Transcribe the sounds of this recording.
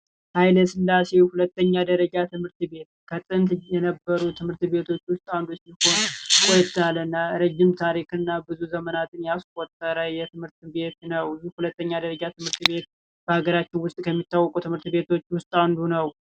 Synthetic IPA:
hajləsɨnlase̞whulət̪ːəɲːad̪əɾəd͡ʒat̪ʰɨmhɨɾt̪be̞t̪kʰət̪ʼɨnt̪jɛnəbːəɾut̪ʰɨmhɨɾt̪be̞t̪ʰo̞t͡ʃːwʊst̪ʼawnd̪usiho̞nkʷʼojt̪ʰalɨnːaɾəd͡ʒːɪmt̪ʰaɾikɨnːabɨzuzəmənat̪ʰɨnjaskʷʼɔt̪ʼːəɾəjɛt̪ʰɨmhɨɾt̪be̞t̪nəwɨzuhulət̪ːəɲːad̪əɾəd͡ʒat̪ɨmhɨɾt̪be̞t̪̚ | b̥əhaɡəɾat͡ʃːɪnwʊst̪ʼkʰəmːit̪ːawːɔkʼut̪ʰɨmhɨɾt̪be̞t̪ʰo̞t͡ʃːwʊst̪ʼawnd̪unəw

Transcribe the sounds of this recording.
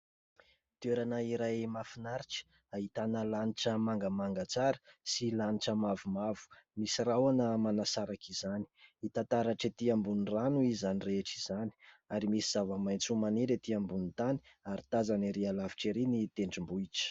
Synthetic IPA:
t̪eɾanəiɾajmafinaɾiʈ͡ʂi̥ | aɦit̪anəlaniʈ͡ʂəmaŋɡəmaŋɡat͡saɾə̥silaniʈ͡ʂəmavumavu̥misirawanəmanasaɾakʰizani̥it̪ant̪aɾaʈ͡ʂet̪iambunranuizanireʈ͡ʂizani̥aɾimisiz̥avəmajnt͡sumaneɾet̪iambunit̪ani̥aɾit̪azaniɾialaviʈ͡ʂeɾinit̪eɳɖ͡ʐimbuiʈ͡ʂə̥

